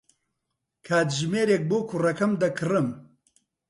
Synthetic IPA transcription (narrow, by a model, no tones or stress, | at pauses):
kʰaːt̪ʒmeːɾeːk̚boːkʰurɐkɐmd̪ɐkʰɨrɨm